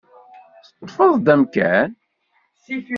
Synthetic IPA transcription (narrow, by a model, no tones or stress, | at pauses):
st̪ːˤfəðˤd̪æmkæ̰n